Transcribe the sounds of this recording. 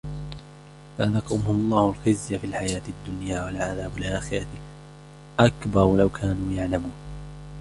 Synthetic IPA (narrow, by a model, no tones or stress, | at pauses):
falɑqːʊmhʊlˤːɑːhʊlxɪzjafiːlħajaːt̪ad̪ːʊnjaːwalʕaðaːbalʔaːxɪɾˤɑ | ʔakbɑɾˤlawkʰaːnuːjaʕlamuːn